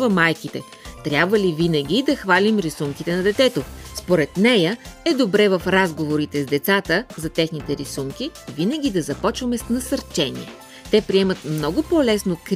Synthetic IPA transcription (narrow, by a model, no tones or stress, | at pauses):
vɐmajkit̪ɛ | t̪ɾʲjabvəlivinəɡ̟ʲid̪ɐxvalimɾisuŋkit̪ɛnɐd̪ɛt̪ɛt̪ospoɾɛt̪nɛjəɛd̪obɾɛvɐfɾazɡovoɾit̪ɛzd̪ɛt̪sat̪əzɐt̪ɛxnit̪ɛɾisuŋkivinəɡ̟ʲid̪ɐzɐpɔt͡ʃvɐmɛsnɐsɐɾt͡ʃɛnḭɛ | t̪ɛpɾiɛmət̪mnɔɡʊpolɛsnok